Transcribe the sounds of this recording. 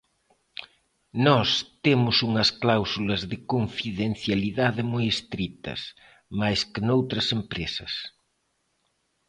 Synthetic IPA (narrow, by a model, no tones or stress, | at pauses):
nɔst̪emʊsuŋɐsklawsulɐzðɪkoɱfiðen̟θjaliðaðɪmojest̪ɾit̪ɐ̰s | majskɪnowt̪ɾɐsempɾesɐs